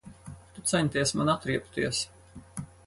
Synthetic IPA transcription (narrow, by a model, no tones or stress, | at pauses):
t̪ut̪sɛnʲt̪ʲiɛsmanat̪ɾiɛpt̪iɛs